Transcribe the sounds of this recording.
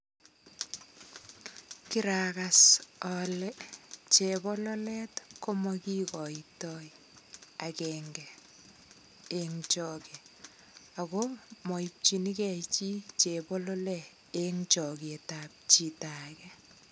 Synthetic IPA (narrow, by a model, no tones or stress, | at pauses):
kiɾakasɔlɛt͡ʃebɔlɔlɛtkɔmɔkikɔitɔi | akɛːŋɡɛ | eŋt͡ʃɔkɛ | aɣomɔip̚t͡ʃinikɛit͡ʃit͡ʃebɔlɔlɛ | eŋt͡ʃɔɡetap̚t͡ʃitakɛ